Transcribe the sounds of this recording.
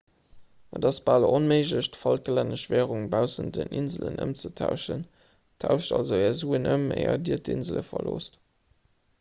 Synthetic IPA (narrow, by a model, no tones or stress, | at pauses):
ədɑsb̥alonmeɪʒləɕtfɑlklænəʃvæːʁuŋbaʊsəndənʔinzələnʔə̰mt͡sətʰaʊʃən | tʰaʊʃtɑlzoɛːɐzuːənʔəmḛɪɐdiətʰinzələfɐloːst